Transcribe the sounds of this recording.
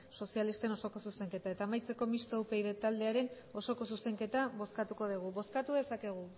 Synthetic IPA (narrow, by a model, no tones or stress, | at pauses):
so̞sialist̪e̞no̞so̞ko̞suse̞ŋke̞t̪ae̞t̪aːmajt͡se̞ko̞mist̪owpe̞jðet̪ald̪e̞aɾe̞n | o̞so̞ko̞s̬useŋke̞t̪aβo̞skat̪uko̞ð̞iɣ̞uβo̞skat̪uðe̞sake̞ɣ̞u